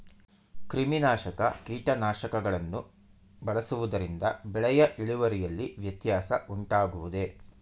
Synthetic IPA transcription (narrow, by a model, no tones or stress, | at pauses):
kɾiminaːʃɐkɐ̰kiːʈɐnaːʃɐkɐɡɐɭɐnːu | bɐɭɐsuʋud̪ɐɾind̪ɐbɛɭɐjɐʔiɭiʋɐɾijɐlːiʋjɐt̪jaːsɐuɳʈaːɡuʋud̪e̞